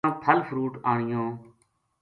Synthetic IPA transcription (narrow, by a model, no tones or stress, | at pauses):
t̪ʰəlfɾuːʈaːɳ̃ɪjõː